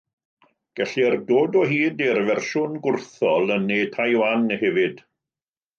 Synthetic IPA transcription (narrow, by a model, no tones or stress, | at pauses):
ɡ̥ɛɬirdoːdɔɦiːdirvɛrʃʊnɡʊrθɔlˠənːeːtʰajwanəhɛvɨd̥